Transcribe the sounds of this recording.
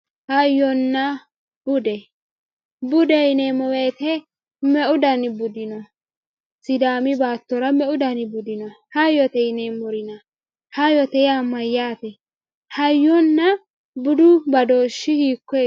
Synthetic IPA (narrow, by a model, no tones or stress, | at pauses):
hɐjːɔnːɐ | b̥ʊd̪ɛ | bʊd̪ɛɪnemɔweːt̪ɛ | mɛʔʊd̪ɐnɪbʊd̪ɪnɔ | sɪd̪aːmɪbaːt̪ːɔɾɐmɛʊd̪ɐnɪbʊd̪ɪnɔhɐjɔt̪ɛɪnemːɔɾɪnɐ | hɐjɔt̪ɛjamɐjːaːt̪ɛ | hɐjːɔnːɐ | bʊd̪ʊbɐd̪oːʃːɪhiːkːɔ